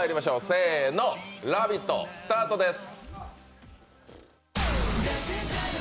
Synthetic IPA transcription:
jiɾimaɕo̞ːse̞ːno̞ɾabʲit̪ːo̰sɨ̥t̪aːt̪o̞d̪e̞sɨ̥

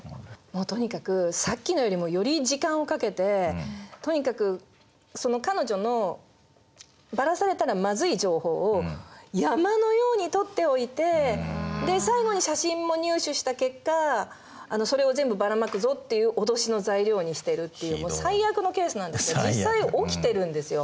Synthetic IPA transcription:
moːt̪o̞ɲ̟ikakɯ̟sakʲːino̞jo̞ɾʲimo̞jo̞ɾʲid͡ʑikãɰ̃o̞kake̞t̪e̞t̪o̞ɲ̟ikakɯ̟ | so̞no̞kano̞ʑo̞no̞ | baɾasaɾe̞t̪aɾamazɨid͡ʑo̞ːho̞ːjamano̞jo̞ːɲ̟it̪o̞t̪ːe̞o̞it̪e̞d̪e̞saiɡo̞ɲ̟iɕaɕĩmːo̞ɲ̟ɨːɕɨɕi̥t̪ake̞kːaː | no̞so̞ɾe̞o̞zẽ̞mbɯbaɾamakɯ̟zo̞t̪ːe̞jɯ̟ːʔo̞d̪o̞ɕino̞zaiɾʲjo̞ːɲ̟iɕi̥t̪e̞ɾɯ̟t̪ːe̞jɯːmosaijakɯ̟no̞ke̞ːsɨnãnd̪esɨjod͡ʑisːaio̞kʲi̥t̪e̞ɾɯ̟̃nd̪e̞sɨjo̞

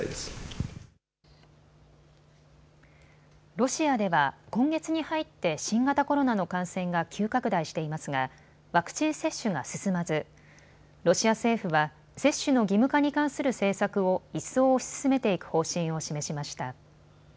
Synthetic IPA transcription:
s | ɾo̞ɕiad̪e̞βakõ̞ŋɡe̞t͡sɨɲ̟ihait̪ːe̞ɕĩŋɡat̪ako̞ɾo̞nano̞kãɰ̃sẽ̞ŋɡakʲʰɨːkakɯ̟d̪aiɕi̥t̪e̞imasɨɡa | βakɯ̥t͡ɕĩɰ̃se̞ɕːɨɡasɨsɨmazɨ | ɾo̞ɕiase̞ːɸɯ̟βa | se̞ɕːɨno̞ɡʲimɯ̟kaɲ̟ikãɰ̃sɨɾɯ̟se̞ːsakɯ̟o̞isːo̞ːɕsɨ̥sɨme̞t̪e̞ikɯ̟̥ho̞ːɕĩɰ̃o̞ɕime̞ɕimaɕi̥t̪a

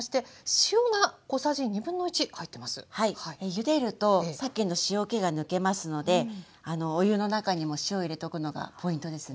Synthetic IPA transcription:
oɕi̥t̪e̞ɕionako̞saʑiɲ̟ibɯ̟̃nːo̞ɯ̟t͡ɕikait̪ːe̞masɨ̥̰haiijɯ̟d̪e̞ɾɯ̟t̪o̞sakːenːo̞ɕio̞ke̞ɡanɯ̟ke̞masɨno̞d̪e̞ | ano̞ːjɯ̟no̞nakaɲ̟imo̞ɕio̞iɾe̞t̪o̞kɯ̟no̞ɡa̰pʰo̞ĩnt̪o̞d̪e̞sɨ

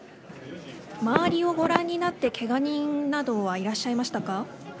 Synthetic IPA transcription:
maaɾʲio̞ɡo̞ɾãɲ̟ːinat̪ːe̞kʰe̞ɡaɲ̟ĩnnad̪o̞βaiɾaɕːaimaɕi̥t̪aka

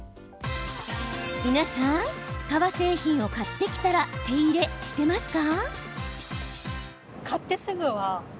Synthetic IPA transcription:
mʲinasãŋkaβase̞ːçĩɰ̃o̞kat̪ːe̞kʲi̥t̪aɾat̪e̞iɾe̞ɕi̥t̪e̞masɨ̥ka | kʰat̪ːe̞sɨɡɯ̟βa

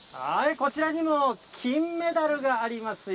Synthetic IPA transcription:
haeko̞t͡ɕiɾaɲ̟imokʲʰĩmːe̞d̪aɾɯ̟ɡaːɾʲimasɨ

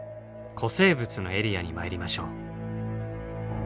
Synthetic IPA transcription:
kʰo̞se̞ːbɯ̟t͡sɨno̞̰e̞ɾʲijaɲ̟imaeɾʲimaɕo̞ː

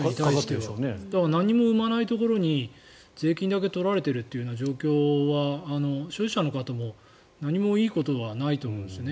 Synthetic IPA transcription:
ɲit̪aii̥t̪ːened̪̥aknaɲ̟ːimo̞ɯ̟manait̪o̞ko̞ɾo̞ɲ̟i | ze̞ːkʲĩnd̪ak̬e̞t̪o̞ɾaɾe̞t̪e̞ɾɯ̟t̪ːejɯ̟nod͡ʑo̞ːkʲo̞ːβaːno̞ɕoːʑi̥ɕano̞kat̪amo̞ | naɲ̟imo̞iːko̞t̪o̞βanait̪o̞ːmõ̞ːnd̪esjone

